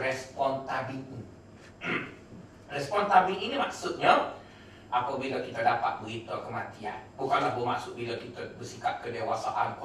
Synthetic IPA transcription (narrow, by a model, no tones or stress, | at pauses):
ɾɛspɔnt̪abilɲi | rɛspɔnt̪abilinimaksʊt̪̚ɲa | ʔapabilak̪it̪adapa̰t̪̚bəɦit̪akəmat̪ia̰nbukanlahbəmaksʊk̚bilak̪it̪abəsikap̚kədewasaʔanku